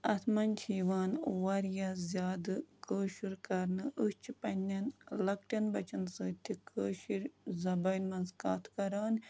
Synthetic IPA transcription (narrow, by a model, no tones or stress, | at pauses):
ɐt̪ʰmɐnʲt͡ʃʰiːʋaːnʋɐɾjazʲjaːd̪ɨkəːʃuɾkɐɾnɨʔust͡ʃʰipɐnʲːɐnlɐk̚ʈʲɐnbɐt͡ʃɐnsɨːt̪ʰikəːʃiɾzɐbɐːnmɐnzkaːt̪ʰkɐɾaːnʲ